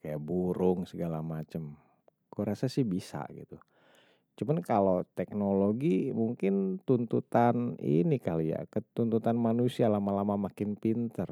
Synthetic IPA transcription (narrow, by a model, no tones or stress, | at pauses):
kajaʔbuɾʊŋsəɡalamat͡ʃəm | koɾasasɪhbisa̰ɡḭt̪u | t͡ʃumankalot̪ɛk̚noloɡimuŋkɪnt̪unt̪ut̪anḭnikalija̰kət̪unt̪ut̪anmanusialamalamamakɪnpint̪ər